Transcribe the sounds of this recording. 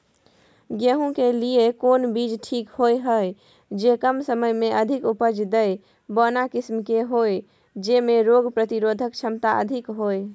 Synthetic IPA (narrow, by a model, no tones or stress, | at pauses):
ɡəɦũkeliekoːnbid͡ʒʈʰikhojɦəj | d͡ʒekəmsəməjmẽʔəd̪ʱikupəd͡ʒd̪əj | bɔnakɪsmkeɦoj | d͡ʒemẽɾoɡpɾət̪iɾod̪ʱək̚t͡ʃʰəmt̪aə̰d̪ʱikɦoe